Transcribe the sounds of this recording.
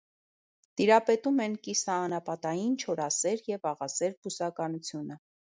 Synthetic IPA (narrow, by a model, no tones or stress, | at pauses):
t̪iɾɑpɛt̪umɛnkisɑːnɑpɑt̪ɑjint͡ʃʰɔɾɑsɛɾjɛvɑʁɑsɛɾbusɑkɑnut͡sʰjunə